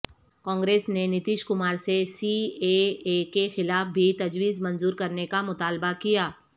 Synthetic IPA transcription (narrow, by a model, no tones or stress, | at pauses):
kɔ̃ːŋɡɾeːsnenɪt̪iːʃkʊmaːɾsesiːeekexɪlaːfbʱit̪ɐd͡ʒwiːzmɐ̃nzuːɾkɐɾnekamʊt̪aːlbakijaː